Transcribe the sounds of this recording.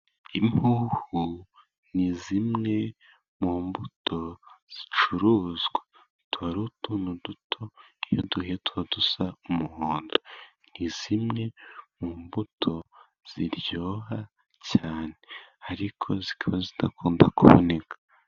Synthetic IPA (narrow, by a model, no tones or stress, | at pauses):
im̥huːhu | nizimŋe̞ | muːmbutʰo̞z̥it͡ʃuɾuːzɡwe̥ | twaɾutuːnudutʰo̞ijo̰duhetwadusaumuhoːndon̥iz̥imŋe̞muːmbutʰo̞ | z̥iɾjoːɦa | caːne̞aɾikʰo̞zikʰaβazidakʰuːndakuβo̰ne̞kḁ